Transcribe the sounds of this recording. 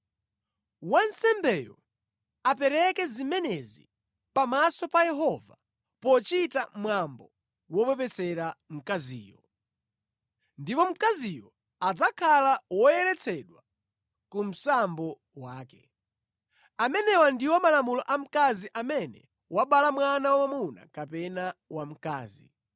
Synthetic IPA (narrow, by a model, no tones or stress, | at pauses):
wansɛmbɛjɔ | apɛɾɛkɛzimɛnɛzi | pamasɔpajɛɦɔva̰ | pɔt͡ʃitamwambɔ | wɔpɛpɛsɛɾam̩kazḭːjɔ | ndipɔm̩kazijɔ | ad͡zakʰalawɔjɛlɛt͡sʰɛɗwa | kum̩sambɔ | waːkɛ | amɛnɛwandiwɔmalamulɔʔam̩kaziʔamɛnɛ̰ | waɓalamwanawamamuna̰kapɛnawam̩ka̰ːzḭ